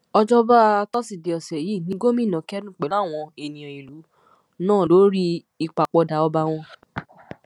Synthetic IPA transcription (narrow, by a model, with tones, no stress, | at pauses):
ɔ˧d͡ʒɔ˦ba˦˧˦tɔ˦si˨de˨ɔ˨sɛ˨ji˨˦˨nĩ˨˦ɡo˦mĩ˦˨nã˨˦kɛ˦nũ˦˨k͡pɛ˨la˦˨w̃ɔ̃˧e˨nĩ˨ɔ̃˨i˨lu˨˦ | nãː˦˨lo˨˦ɾi˦ | i˧k͡pa˨k͡pɔ˧da˧˦ɔ˧ba˧w̃ɔ̃˧